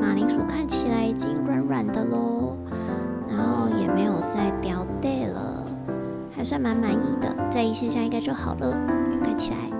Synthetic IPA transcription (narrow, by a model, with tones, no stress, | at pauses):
ma˨˩li˧˥ŋtʰu˨˩kʰa˥˩nt͡ɕʰi˨˩la˧˥ɪt͡ɕi˥ŋɻwa˨˩˦nɻwa˨˩nd̪ə˨lo˥ | na˧˦˥nxo˥˩ʊjɛ˨˩me˧˥ɪjo˨˩ʊt͡sa˥˩ɪt̪jɑ˧˥ʊt̪e˥˩ɪlə̰˩ | xa˧˥ɪswa˥˩nma˧˦˥nma˧˥ni˥˩d̪ə̰˩t͡sa˥˧ɪi˥˩ɕjɛ˥˧ɕja˥˧i˥ŋka˥t͡ɕo˥˩ʊxɑ˨˩ʊlə˧˦˧kʰa˥˩nt͡ɕʰi˨˩la̰˧˦ɪ